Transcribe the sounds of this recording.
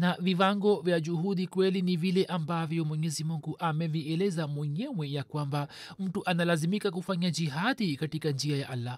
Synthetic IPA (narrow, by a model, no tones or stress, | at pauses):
naviwaŋɡɔvjad͡ʒuhuɗikwɛlinivilɛʔambavjɔmwɛɲɛzimuŋɡuʔamɛviɛlɛzamwɛɲɛwɛjakwambam̩tuʔanalazimikak̬ufaɲad͡ʒiɦaðikatikand͡ʒiajaʔalːa